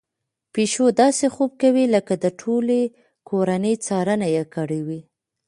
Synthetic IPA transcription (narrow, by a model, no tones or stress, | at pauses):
peʃod̪ɑsexob̚kawiləkad̪əʈʰole | kʰoɾanəjt͡sɑɾənajekɑɽiwi